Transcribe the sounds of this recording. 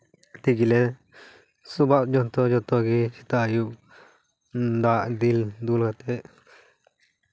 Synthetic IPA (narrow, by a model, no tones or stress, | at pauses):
t̪iɡile | subat̪d͡ʒont̪od͡ʒot̪oɡit͡ʃi̥t̪aju | nd̪aʔd̪ild̪ulɡat̪eʔ